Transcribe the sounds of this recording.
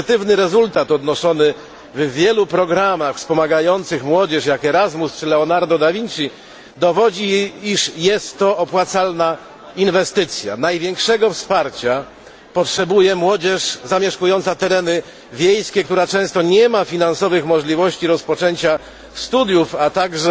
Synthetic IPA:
t̪ɘvnɘɾɛzult̪at̪ɔd̪nɔʂɔnɘ | vvʲjɛlupɾɔɡɾamaxfspɔmaɡajɔnt̪sɘxmwɔd͡ʑɛʂjakɛɾazmust͡ʂɘlɛɔnaɾd̪ɔd̪avʲiɲt͡ʂi | d̪ɔvɔd͡ʑiiʂjɛst̪ːɔɔpwat̪salna | invɛst̪ɘt̪sʲja̰najvʲjɛŋkʂɛɡɔfspaɾt͡ɕa | pɔtʂɛbujɛmwɔd͡ʑɛʂzamʲjɛʂkujɔnt̪sat̪ɛɾɛnɘ | vʲjejskʲɛk̚t̪uɾat͡ʂɛ̃w̃st̪ɔɲɛmafʲinansɔvɘxmɔʐlʲivɔɕt͡ɕiɾɔspɔt͡ʂɛɲt͡ɕa | st̪ud̪ʲjufat̪aɡʐɛ

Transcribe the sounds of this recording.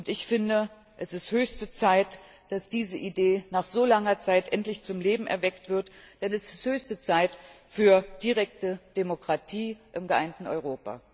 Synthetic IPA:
ʔʊntɪçfɪndə | ʔɛsɪsthøːçstət͡saɪt | d̥asd̥iːzəʔideːnaːχz̥oːlaŋɐt͡saɪtʔɛntlɪçt͡sʊmleːbm̩ʔɛ̰ɐvɛktv̥ɪɐtd̥ɛnɛsɪ̥sthøːçstət͡saɪtfyːɐd̥iʁɛk̚təd̥emokʁ̥atʰiːʔɪmɡəʔa̰ɪntn̩ɔ̰ʏʁ̞oːpa̰

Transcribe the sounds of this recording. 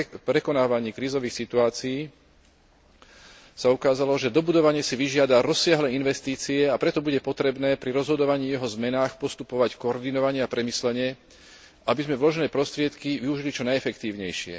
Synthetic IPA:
pɾɛkɔnaːʋaɲiːkɾiːzɔʋiːxsit̪uaːt͡siiː | saukaːzalɔʒɛd̪ɔbud̪ɔʋaɲɪɛsiʋiʒɪad̪aɾɔsːɪaɦlɛːinʋɛst̪iːt͡siɛapɾɛt̪ɔbuɟɛpɔt̪ɾɛbnɛːpɾiɾɔzɦɔd̪ɔʋaɲiːjɛɦɔzmɛnaːxpɔst̪upɔʋackɔɔɾd̪inɔʋaɲɪɛapɾɛmislɛɲɪɛ | ʔabizmɛvlɔʒnɛːpɾɔst̪ɾɪɛt̪kiʋiuʒilit͡ʃɔnajɛfɛkt̪iːʊɲɛjʃɪɛ̰

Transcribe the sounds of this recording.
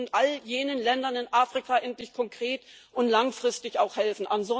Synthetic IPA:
ntʔaljeːnənlɛndɐnɪnʔaːfʁ̥ikʰaʔɛntlɪçkʰɔŋkʁ̥eːtʔʊntlaŋfʁ̥ɪstɪçaʊxhɛlfn̩ʔanzɔ

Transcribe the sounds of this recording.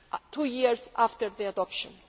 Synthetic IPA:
tʰujiɹzʔaftəɾðiadɔpʃɔ̃n

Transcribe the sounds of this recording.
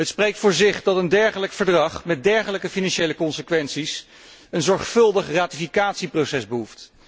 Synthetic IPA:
ɦətsprejk̚tfʊːɹzɪχdɑtəndɛɹχələkfəɹdrɑχmɛt̚dɛɹχələkəfinɑnʃejləkɔnsəkʋɛnsis | ənzɔɹχfɵlˠdəχraːtifikaːtsiprowsɛzbəɦuft

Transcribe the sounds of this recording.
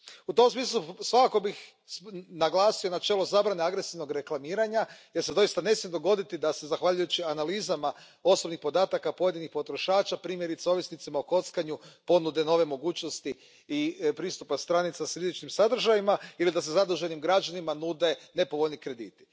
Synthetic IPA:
ut̪o̞msmiːs̬lˠusʋakako̞bix | naɡlˠaːsio̞nat͡ʃe̞ːlozaːbɾaneaɡɾe̞siʋno̞ɡɾe̞klˠamiːɾaɲaje̞ɾse̞d̪o̞ist̪ane̞smjed̪o̞ɡo̞d̪it̪id̪ase̞zaxʋaʎujut͡ɕianalizama | o̞sobnixpo̞d̪aːt̪akapoje̞d̪inixpo̞t̪ɾo̞ʃaːt͡ʃapɾiːmje̞ɾit̪seo̞ʋjisnit̪simaoko̞t̪skaɲupo̞nud̪eno̞ʋe̞mo̞ɡuːt͡ʃno̞st̪i | ipɾiːst̪upast̪ɾanit̪sasɾizit͡ʃnimsad̪r̩ʒajimailid̪as̬e̞zad̪uʒe̞nimɡɾad͡ʒanimanuːd̪e̞ne̞po̞ʋoʎʲnikɾe̞d̪ḭːt̪i̥

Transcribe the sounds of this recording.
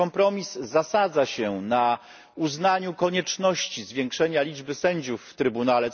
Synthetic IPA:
ɔmpɾɔmʲizːasad̪zaɕɛna | uznaɲukɔɲɛt͡ʂnɔɕt͡ɕizvʲjɛ̃ŋkʂɛɲalʲid͡ʐbɘsɛɲd͡ʑufːt̪ɾɘbunalɛ

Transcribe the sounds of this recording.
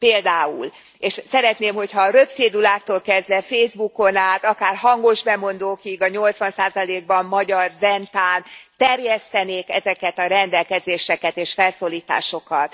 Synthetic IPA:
peːld̪aːṵl | eːʃsɛɾɛt̪neːmho̞chɒːɾøpseːd̪ulaːk̚t̪oːlkɛzʋɛfeːzbuko̞naːt̪ɒkaːrhɒŋɡo̞ʒbɛmo̞nd̪oːkiɡɒɲo̞lt̪sʋɒnsaːzɒleːɡ̚bɒmmɒɟɒrzɛnt̪aːnt̪ɛrjɛst̪ɛneːkɛzɛkɛt̪ɒɾɛnd̪ɛlkɛzeːʃɛkɛt̪eːʃfɛlsoːliːt̪a̰ːʃo̞kɒt̪

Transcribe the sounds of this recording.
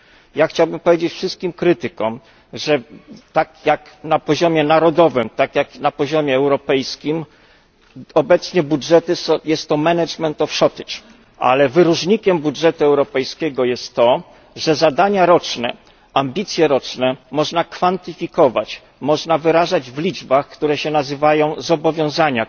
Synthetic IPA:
jaxt͡ɕawbɘmpɔvjed͡ʑet͡ɕfʂɘst̪̚kʲimkɾɘt̪ɘkɔm | ʐɛt̪akjak | napɔʑɔmʲjɛnaɾɔd̪ɔvɘmt̪akjaknapɔʑɔmʲjɛːwɾɔpɛjskʲim | ɔbɛt̪sɲɛbudʐɛt̪ɘjɛst̪ːɔmɛnɛt͡ʂmɛnt̪ɔfʂɔt̪ɘt͡ʂ | ʔa̰lɛvɘɾuʐɲikʲɛmbudʐɛt̪uɛwɾɔpɛjskʲɛɡɔjɛst̪ːɔ | ʐɛzad̪aɲaɾɔt͡ʂnɛ̰ | ambʲit̪sʲjɛɾɔt͡ʂnɛmɔʐnakfant̪ɘfʲikɔva̰t͡ɕ | mɔʐnavɘɾaʐad͡ʑvlʲid͡ʐbaxkt̪uɾɛɕɛnazɘvajɔ̃w̃zɔbɔvʲjɔ̃w̃zaɲa

